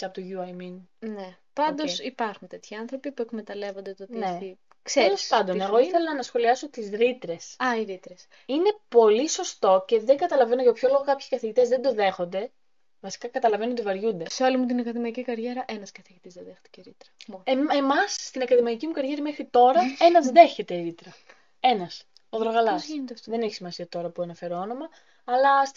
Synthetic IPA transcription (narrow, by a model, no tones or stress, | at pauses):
ɐpot̪oʝuɐjminne | pɐnd̪o̞sipɐɾxunt̪e̞t̪çiɐnθɾo̞pipuekmet̪ɐle̞vond̪et̪ot̪inei | kseelo̞spɐnd̪onneɣo̞iθe̞lɐnɐsxo̞liɐso̞t̪izɾit̪ɾe̞sɐiɾit̪ɾes | ine̞po̞liso̞st̪o̞ce̞ðeŋɡɐt̪ɐlɐvenoʝɐpço̞lo̞ɣo̞kɐpçi̥kɐθiʝit̪ezðe̞nd̪o̞ðe̞xo̞nd̪e̞ | vɐsi̥kɐkɐt̪ɐlɐve̞nuot̪ivɐɾʝund̪eseo̞limut̪inɐkɐðimɐicikɐɾʝe̞ɾɐʔenɐskɐθiʝit̪izðɐðext̪i̥ceɾit̪ɾɐeemɐsːt̪inɐkɐðimɐicimukɐɾʝe̞ɾimexɾit̪o̞ɾɐe̞nɐzðe̞çe̞t̪e̞ɾit̪ɾɐ | e̞nɐs | oðɾoɣɐlɐst̪ðeneçi̥simɐsiɐt̪o̞ɾɐpuɐnɐfe̞ɾoono̞mɐː | lɐs